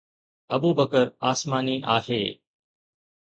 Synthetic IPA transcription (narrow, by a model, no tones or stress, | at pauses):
ɐbuːbəkəɾaːsmaːniʔaːɦeː